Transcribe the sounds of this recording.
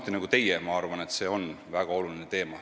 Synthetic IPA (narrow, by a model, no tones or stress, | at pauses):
t̪ːˑinɑɡut̪e̞jɛmɑɑrvɑne̞t̪se̞ːo̞n | væɡ̥ɑo̞lulinet̪e̞ːmɑ